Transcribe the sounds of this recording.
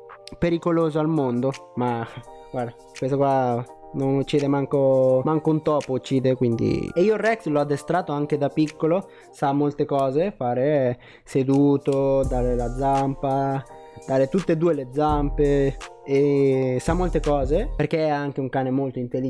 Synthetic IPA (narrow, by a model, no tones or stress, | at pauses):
peɾikoloːzoalmond̪oma | ɡward̪a | kwest̪okwa | nonut͡ʃːiːd̪emaŋkomaŋkunt̪ɔːpout͡ʃːiːd̪ekwind̪ḭeiːorɛkslɔad̪ːest̪ɾaːt̪oaŋked̪apikːolo | samːolt̪ekɔːzefaːɾe | sed̪uːt̪od̪aːɾelad̪zampa | d̪̥aːɾet̪ut̪ːed̪uːeled̪zampeesamːolt̪ekɔːzeperk̟eɛaŋk̟euŋkaːnemolt̪oint̪eli